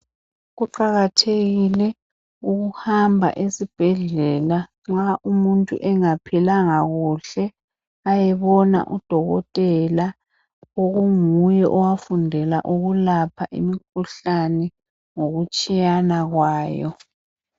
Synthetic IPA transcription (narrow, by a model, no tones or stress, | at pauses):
ɣuǃaɣatʰeɣilɛ | uɣuhambʱa̰ʔesib̥ʱɛɮɛla | ŋ͡ǁaʔumuntʼṵʔɛŋapʰilaŋaɣuɬɛ | ajɛβɔna̰ʔud̥ʱɔɣɔtʼɛla | oɣuŋujɛʔɔwafundʱɛla̰ʔuɣulapʰaʔḭmik̚ʰuɬanɛ | ŋoɣut͡ʃʼijanaɣwaːjɔ̰